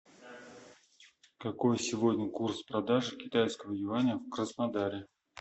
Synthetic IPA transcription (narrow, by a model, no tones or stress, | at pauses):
kɐko̞jsʲɪvo̞dʲnʲəkurspɾɐd̪aʐɨkʲɪt̪ajskəvəjɪvanʲɪjəfkrəsnɐd̪aɾʲɪ